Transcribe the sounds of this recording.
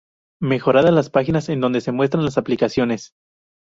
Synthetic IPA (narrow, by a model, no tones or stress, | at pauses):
me̞xo̞ɾaðalaspaxinase̞nd̪o̞nd̪e̞se̞mwe̞s̬t̪ɾanlasaplikasjo̞ne̞s